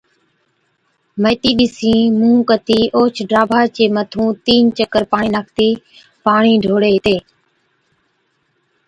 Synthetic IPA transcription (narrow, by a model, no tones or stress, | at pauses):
məːt̪iːɗɪsĩːmũːkət̪iːʔoːt͡ʃʰɖɾaːbʱaːt͡ʃeːmət̪ʰũːt̪iːnt͡ʃəkəɾpaːɳiːnaːkʰt̪iː | paːɳiːɖʱoːɽeːt̪eː